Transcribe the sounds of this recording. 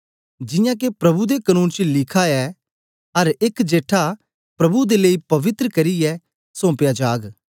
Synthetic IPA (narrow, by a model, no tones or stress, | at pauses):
d͡ʒɪ̃jãːk̬epɾɐbud̪ekənũːnt͡ʃlɪkʰaɛ | ɐɾɪkd͡ʒeːʈʰa | pɾɐbud̪eleipɐʋɪt̪ɾəkɐɾiɛ | sõːpjad͡ʒaːɡ